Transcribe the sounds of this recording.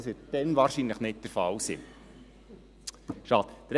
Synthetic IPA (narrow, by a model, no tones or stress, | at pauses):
sɪd̥ɛnʋɑːɾʃinləχnɪt̚d̥̪əɾfɑwsḭ | ʃɑːt̪d̪̥ɾ